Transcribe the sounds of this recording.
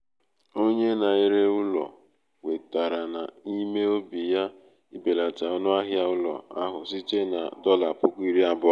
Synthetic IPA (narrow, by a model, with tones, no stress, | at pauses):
o˦ɲe˦na˨i˦ɾe˦ʊ˦lɔ̰˨ | we˨ta˨ɾa˨na˨i˦me˦o˦bi˨ja˦ | i˦be˨la˨ta˨ɔ˦nʊ˦a˦ɦja˦ʊ˦lɔ̰˨a˦ɦʊ˨si˦t͡ʃe˦na̰˨dɔ˦la˨pʊ˦kʷʊ˦i˦ɾi˦a˦bʊ˦